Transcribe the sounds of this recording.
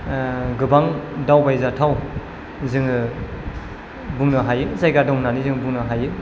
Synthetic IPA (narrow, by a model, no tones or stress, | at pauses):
ɡɯbaŋdawbajzatʰaw | zɯŋɯ | buŋnɯɦajɯzajɡadɔŋnanizɯŋbuŋnɯɦajɯ